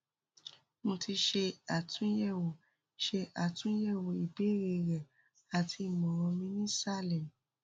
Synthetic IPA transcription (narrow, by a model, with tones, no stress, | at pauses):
mõ˧tʰi˧ʃe˧a˨tʰũ˨˦jɛ˦˨wo˨ | ʃe˧a˨tũ˦jɛ˦˨wo˨i˨be˨˦ɾe˧˨ɾɛ˨ | a˨tʰi˧˦˨mɔ̃˨ɾɔ̃˧mĩ˧nĩ˦sa˦˨lɛ˨m˨